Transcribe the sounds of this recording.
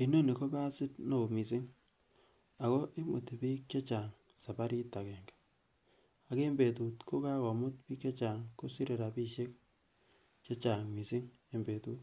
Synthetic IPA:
i˨no˦ni˨ko˦ba˦sɪ˦tno˨mi˨sɪ˦ŋ | a˨kɔ˦ʔi˦mṵ˨ti˨bi˦kje˦t͡ʃa˨ŋ | sa˨pa˦ɾi˦ta˨kɛ˨ŋɡḁ˨ | a˨ke˦mbe˨t̬u˨tkʰo˦ka˦kɔ˨mʊ˦t̚pi˦kje˦t͡ʃa˨ŋko˦si˦ɾe˨ɾa˨pi˦ʃe˦k̚ | t͡ʃe˦t͡ʃa˨ŋmi˨si˦ŋ | e˨mbe˨tu˦t

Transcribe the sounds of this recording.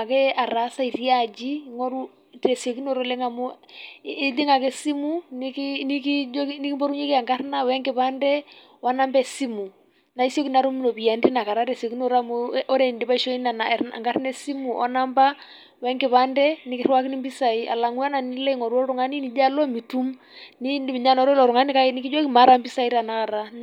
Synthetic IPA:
a˨kɛ˦a˨ɾa˨˦sa˦i˨ɾi˦a˦d͡ʒi˦ŋo˦ɾu˦ | tɾe˨so˨ki˦n˦o˦˨ɾo˦lɛ˦ŋa˨mu˦ | li˦ŋa˨kɛ˦si˦mu˦ni˦kini˦ki˦d͡ʒni˦ki˦mbo˦ɾu˦ɲe˦ki˦a˨ŋɡa˦ɾna˦wɛ˦ŋɡɪ˨pa˦ndɛ˦ | wa˦na˦mbɛ˦si˦mu˨ | na˨i˦sjo˦ki˦na˨ɾu˦m˦lo˨bi˨ja˨ndi˦na˨ka˨ɾa˦ɾɛ˨so˨ki˦n˦ɔ˦ɾa˦m˦ʔɔ˦ɾɛ˨ndi˨ba˦i˦ʃɔ˦i˦na˨na˨ɾa̰˨ŋɡa˦ɾnɛ˦si˦mu˨ʔa̰˨˦na˦mba˦ | wɛ˦ŋɡɪ˨βa˦ndɛ˦ni˨˦ki˦ɾwa˦ki˦ni˦mbi˦sa˨i˦a̰˨la˨ŋu˦a˦na˨ni˦lɛ˦i˦ŋɔ˨ɾɔ˦ɾu˨ŋa˦ni˦ni˨d͡ʒa˦lɔ˦mi˨tu˦m | ni˦˨mi˨ɲa˦nɔ˨˦ɾɔ˦lɔ˨ɾu˨ŋa˦ni˦ka˦ni˦ki˦d͡ʒo˦ki˦ma˨˦ɾa˦mbi˦sa˨i˦ɾa˨na˨ka˨ɾa˦

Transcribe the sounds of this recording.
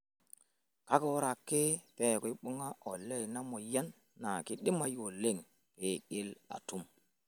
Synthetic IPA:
ka˦ko˦ɾa˨kːe˦pe˦˨ko˨˦i˦ɓu˦ŋa˦ʔo˨lːe˦˨jna˦mo˨ja˦nː | a˨ki˦ɗi˦ma˦jo˨le˦˨ŋ | ke˨ɡe˦la̰˨tu˦m

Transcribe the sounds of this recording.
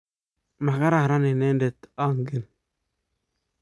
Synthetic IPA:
ma˨ka˦ɾa˦˨ɾa˦ni˨ne˦nde˨t̪a˦ŋɡe˦˨n

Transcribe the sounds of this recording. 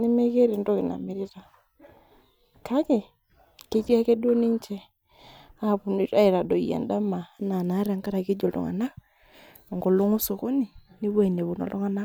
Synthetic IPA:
ne˦mɛ˦ɣe˦ɾe˨ndo˦ɣe˨na̰˨me˨ɾi˦ɾa˨ | ka˦ke˨ | ke˦t͡ʃi˦a˦kɛ˦dwo˦ni˦ɲt͡ʃɛ˦ | a˦βu˨ni˦ɾa˦e˨ɾa˨dɔ˨iɛ̰˨nda˦ma˨na˨na˨˦ɾa˨ŋka˦ɾa˨ɣe˦d͡ʒo˨ldɔ̰˨ŋa̰˨na˦ | ɔ˨ŋɡo˨lo˦ŋo˦so˨ɣo˦ni˨ni˦βwɛ˦˨ne˨βo˨nɔ̰˨lo˦ŋa˨˦na˦

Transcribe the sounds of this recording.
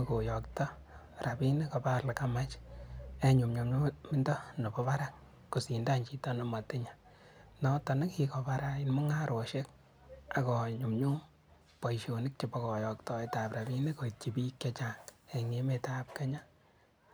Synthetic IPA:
ko˨jɔ˨ktɔ˦ | ra˨pi˦ne˦ko˨pa˦la˨ka˦ma˦t͡ʃ | e˦ɲu˨mɲu˨mɲu˦mɪ˦ndɔ˦no˨pɔ˦pa˦ɾa˦ | ku˨si˨nda˦ɲt͡ʃi˨tɔ˦nɔ˦ma˨tɪ˦ɲa˨ | nɔ˦tɔ˨nɪ˦ki˨ko˨paɾa˦inmʊ˦ŋa˦ɾo˨ʃe˦k | a˨kɔ˨ɲu˨mɲu˦ | po˨iʃo˨nɪ˦k̚t͡ʃe˨pɔ˦kɔ˨jɔ˨k̚tɔ˦e˦ta˨pɾa˨bi˦ne˦ko˨i˨t͡ʃi˨pi˦kjat͡ʃaŋe˨ŋe˦me˨ta˦p̚ke˦ɲa˦

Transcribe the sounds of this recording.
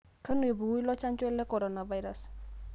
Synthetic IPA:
kʰə˦nu˨e˨bu˨u˦jlɔ˦t͡ʃa˦nt͡ʃʊɛ˦lɛ˦kɔ˨ɾɔ˨na˨va˦jɾa˨s

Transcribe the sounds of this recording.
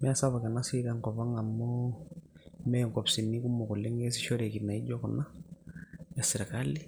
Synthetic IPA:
mɛ˦a˦sa˦βa˨ka˨na˦si˦ɾaŋkɔ˨βa˦ŋa˨mɔ˦ | mɛ˦ŋɡɔ˨psi˨ni˦ku˦mɔ˨ku˨lɛ˦ŋɡe˦s̬i˨ʃɔ˦ɾe˨ki˨na˨i˦d͡ʒɔ˦ku˨na˦ | ja˨si˨ɾa˨ka˦li˦

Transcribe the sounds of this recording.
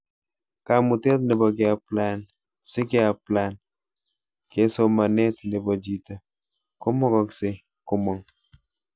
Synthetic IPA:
ka˨mu˨tɛ˦t̚nɛ˨bɔ˨ɡ̬ɛ˨a˨pla˦n | sɪ˦ke˦a˨pla˦n | ke˨˦sɔ˦ma˨nɛ˦tnɛ˨bɔ˨d͡ʒi˨ta˨ | kɔ˦mɔ˦kɔ˨ksɪ˦ | kɔ˦mɔ˨ŋ

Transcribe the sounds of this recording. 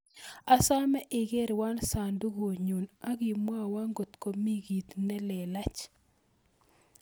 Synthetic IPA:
a˨sa˦mɛ˦ʔɪ˨ɡe˦ɾwa˦nsa˨ndu˦ɡo˨ɲu˨na˦ɡi˨mwa˦˨wa˦ŋɡo˨t̪ko˨mi˦ɡi˨t̪nɛ˦lɛ˨la˦t͡ʃ

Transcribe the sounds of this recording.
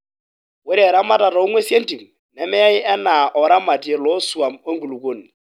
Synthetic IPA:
wɛ˦dɛ˨ɾa˦ma˦tʼa˨tʼa˨u˦ŋwe˦si˦e˦n̩˦tʼi˨m̩˨ | nɛ˨mɛ˦ja˦i˦ʔɛ˦na˨ʔɔ˨ɾa˦ma˨tʼi˨e˨lɔ˦su˨a˨mo˦ŋ̩˦ɡu˨lu˨kʼo˨ni˨

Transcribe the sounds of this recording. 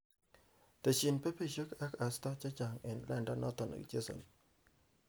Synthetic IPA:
te˨t͡ʃi˨npe˦pe˦˨ʃə˦ka˦ka˨stɔ˦t͡ʃa˦t͡ʃa˨ŋɛ˨nlɛ˦nda˦nɔ˦t̪ɔ˨na̰˨kd͡ʒe˦sɔ̰˨n

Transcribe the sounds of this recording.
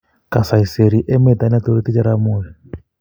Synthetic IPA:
ka˨sa˨i˨se˨ɾi˨˦ʔɛ˦mɛ˦˨d̪a˨˦na˦t̪o˦ɾi˦t̪i˦t͡ʃa˦ɾa˦muː˦˨jɛ˨

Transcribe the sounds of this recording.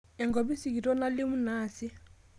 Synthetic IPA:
ɛ˨ŋɡɔ˨bi˦si˨k̬i˨tʼɔ˦na˦lɪ˦mu˦naː˨sɪ˦

